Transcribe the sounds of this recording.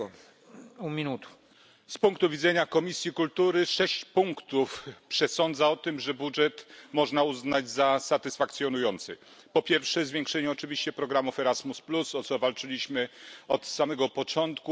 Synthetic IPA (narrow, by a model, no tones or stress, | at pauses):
umʲinut̪ | spuŋkt̪uvʲid̪zɛɲakɔmʲisʲjikult̪uɾɘʂɛɕt͡ɕpuŋkt̪ufpʂɛsɔnd̪zaɔt̪ɘmʐɛbudʐɛt̪mɔʐnauznad͡ʑzasat̪ɘsfakt̪sjɔnujɔnt̪sɘ | pɔpʲjɛɾfʂɛzvʲjɛŋkʂɛɲɛɔt͡ʂɘvʲiɕt͡ɕɛpɾɔɡɾamufɛɾazmusplusɔt̪sɔvalt͡ʂɘlʲiɕmɘɔt̪samɛɡɔpɔt͡ʂɔnt̪ku